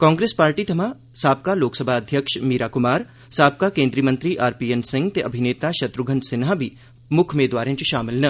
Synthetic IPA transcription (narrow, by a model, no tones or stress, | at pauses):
kãːŋɡɾeːspaːɾʈit̪ʰɐmãː | saːb̚kaloːksəbʱaːɐd̪ʱjəkʃmiːɾaːkʊmaːɾ | saːb̚kakẽːnd̪ɾiəmɐ̃nt̪ɾiʔaːɾpiːensɪ̃ŋɡt̪eʔɐbʱineːt̪aʃɐt̪ɾʊɡʱənsɪnabʱi | mʊkʰmeːd̪ʋaːɾẽːt͡ʃiʃaːmɪlnɐ